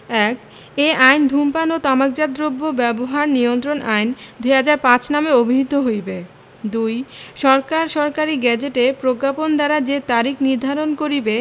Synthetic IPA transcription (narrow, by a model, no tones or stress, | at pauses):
ɛk | eʔajnd̪ʱumpanot̪amak̚d͡ʑad̪ɾobːobɛboɦaɾniont̪ɾonʔajnd̪ujɦad͡ʑaɾpãt͡ɕnameobʱiɦid̪ʱːoɦojbe | d̪ujʃɔɾkaɾʃɔɾkaɾiɡɛd͡ʑeʈepɾokːapond̪aɾad͡ʑet̪aɾikniɾd̪ʱaɾonkoɾibe